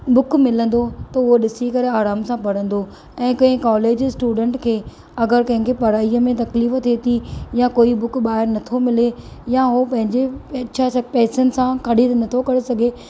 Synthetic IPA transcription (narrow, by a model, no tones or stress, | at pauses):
bʊkʰmɪlə̃nd̪ot̪ɐʊɦoɗɪsikɐɾeaːɾaːmsãpɐɽ̤ə̃nd̪o | ɛ̃ːkɐ̃ɦɪ̃kaːleːd͡ʑsʈuːɖə̃ɳʈkʰeː | ɐɡəɾkɐ̃ɦɪ̃ŋkʰepɐɽaːiəmẽt̪ɐkliːft̪ʰet̪ʰijãkoːibʊkʰɓaːɦɪɾnɐt̪ʰomɪlejaɦopɐ̃ɦɪ̃ɲd͡ʑeapɛːsənɪ̆sãkʰɐɽ̤it̪nɐt̪ʰokɐɽesɐɡʱe